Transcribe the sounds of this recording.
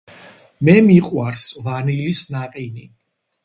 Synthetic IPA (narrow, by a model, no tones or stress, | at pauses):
mɛmiqʼwaɾsvanilisnaqʼini